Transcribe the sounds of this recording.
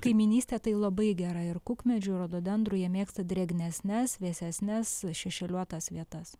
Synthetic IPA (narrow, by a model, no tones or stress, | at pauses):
kɐɪmʲɪnʲiːsʲt̪ʲeːt̪ɐɪlˠɐbɐɪɡʲæɾɑɪɾkʊkmʲɛd͡ʒʲʊɾoːd̪oːb̪ʲɛnd̪ɾʊjɛmʲeːkst̪ɐd̪ʲɾʲɛɡʲnʲɛsʲnʲɛsʋʲeːsʲɛsʲnʲɛsʃʲɛʃʲɛlʲuɔt̪ɐsʋʲiɛt̪ɐs